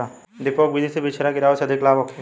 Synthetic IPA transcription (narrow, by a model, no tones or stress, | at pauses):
a | d̪ɪpoːk̚bid̪isebit͡ʃʰɾakiɾaoseɐd̪ʱɪklaːbokʰe